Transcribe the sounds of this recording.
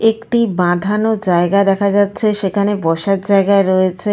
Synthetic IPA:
ekʈibãd̪ʱanod͡ʑaeɡad̪ɛkʰad͡ʑatːɕʰeʃekʰanebɔʃat̪̚d͡ʑaeɡaeɾɔet͡ɕʰe

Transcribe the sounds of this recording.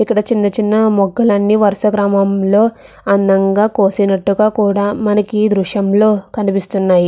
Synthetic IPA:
ikːɐɽɐt͡ʃinːɐt͡ʃinːɐmɔɡɐlɐnːiʋɐɾʂɐɡɾaːmɐmlo̞ː | ɐnd̪ɐŋɡaːkoːsinɐʈːuɡaːkuːɽaːmɐnɐkid̪ɾuʂjɐmlo̞ːkɐnipist̪unːaːji

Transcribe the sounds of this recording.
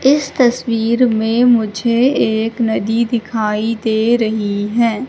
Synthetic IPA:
ɪst̪ɐswiːɾmẽmʊd͡ʒʱeeːknɐd̪id̪ɪkʰaːid̪eːɾɐɦiɦɛː

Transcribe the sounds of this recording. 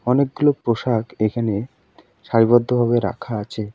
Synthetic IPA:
ɔnek̚ɡulopɾoʃakekʰane | ʃaɾibɔd̪ʱːobʱaβeɾa̰kʰaat͡ɕʰe

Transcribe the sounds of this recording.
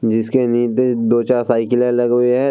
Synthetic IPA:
d͡ʒɪskeniːt̪ed̪oːt͡ʃaːɾsaːɪkɪlelɐɡeɦɛ

